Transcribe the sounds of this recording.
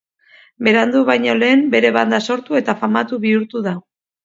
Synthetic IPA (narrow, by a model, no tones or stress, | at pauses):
be̞ɾand̪uβajɲole̞ːmbe̞ɾe̞βand̪aso̞ɾt̪ue̞t̪afamat̪uβiuɾt̪uða